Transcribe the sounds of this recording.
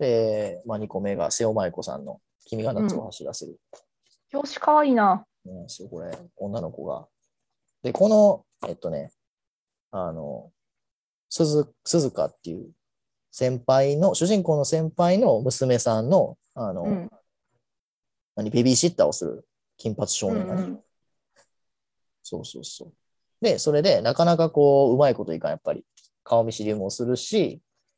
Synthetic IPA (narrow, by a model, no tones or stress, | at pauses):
d̪̥e̞maɲ̟iko̞me̞ɡa̰seo̞maiko̞sã̰nːo̞̰ | kʲimʲiɡanat͡sɨo̞haɕid̪aseɾɯ̟ | joːɕi̥kaβaiːna | ãɕioko̞ɾe̞̰õ̞nːano̞ko̞̰ɡa̰ | d̪̥e̞ko̞no̞ | et̪ːo̞ne̞ | ano̞̰ | sɨzɨ | sɨzɨka̰t̪ːe̞ɯ̟̰ | sẽ̞mpaino̞ɕɨʑĩŋko̞ːno̞sẽ̞mpaino̞mɯ̟sɨme̞sãnːo̞ | ano̞ | naɲ̟ibe̞bʲiɕit̪ːaːo̞sɨɾɯ̟̰ | kʲĩmpat͡sɨ̥ɕo̞ːnḛ̃ŋɡane | soːso̞̰ːso̞ː | d̪e̞so̞ɾe̞d̪e̞nakanakako̞ːɯ̟maiko̞t̪o̞ḭkã̰japːaɾʲḭ | kʰaomʲiɕiɾʲɯmɯosɨɾɯ̟ɕi